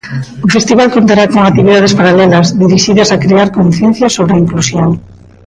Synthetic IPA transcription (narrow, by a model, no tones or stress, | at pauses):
ʊfest̪iβalkont̪aɾakoŋakt̪iβiðað̞espaɾalɛlɐzðiɾiʃiðɐsakɾeaɾkõnθjɛn̟θjɐsoβɾeaiŋklusjoŋ